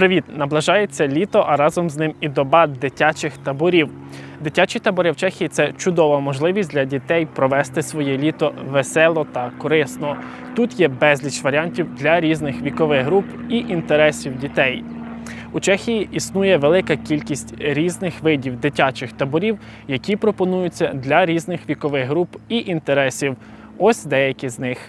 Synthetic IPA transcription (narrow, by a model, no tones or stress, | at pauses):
pɾɪʋʲit̪nɐblˠɐʒɑjet͡sʲːɐlʲit̪ɔʔɐɾɑzɔmznɪmid̪ɔbɑd̪ɪtʲat͡ʃɪxt̪ɐbʊɾʲiw | d̪ɪtʲat͡ʃit̪ɐbʊɾɪwt͡ʃɛxʲijit̪sɛt͡ʃʊd̪ɔʋɐmɔʒlˠɪʋʲisʲdlʲɐdʲit̪ɛjpɾɔʋɛst̪ɪsʋɔjɛlʲit̪ɔʋesɛlˠɔt̪ɐkɔɾɪsnɔ | t̪ut̪jɛbɛzʲlʲit͡ʃʋɐɾʲiɑnʲtʲiwd̪lʲɐɾʲiznɪxʋʲikɔʋɪɣɦɾupiʔint̪eɾɛsʲiwdʲit̪ɛj | ut͡ʃɛxʲijiʔisnujɛʋelˠɪkɐkʲilʲkʲisʲtʲɾʲiznɪxʋɪdʲiwd̪ɪtʲat͡ʃɪxt̪ɐbɔɾʲiw | jɐkʲipɾɔpɔnujʊt͡sʲːɐd̪lʲɐɾʲiznɪxʋʲikɔʋɪɣɦɾupiʔint̪eɾɛsʲiw | ɔsʲd̪ɛjɐkʲɪznɪx